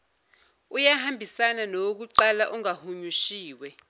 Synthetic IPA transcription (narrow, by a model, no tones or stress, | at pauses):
ujahambʱisananok̬uǃalaʔuŋahuɲuʃiːwɛ